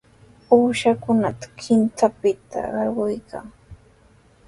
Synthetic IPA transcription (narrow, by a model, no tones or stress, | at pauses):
uːʃakʊnat̪ḁkʰɪnt͡sapɪt̪ʰa̰ɢɑɾɢʊjkʰa̰ŋ